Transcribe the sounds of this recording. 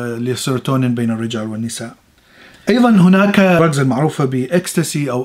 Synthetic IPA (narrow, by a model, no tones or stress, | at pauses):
lɪsˤɪɾt̪oːnɪbeːnarːɪd͡ʒaːlwɪnːɪsaːʔ | ʔɑjðˤɑnɦʊnaːkɾˤɑkzalmaʕɾuːfabɪʔɪkst̪asiʔaw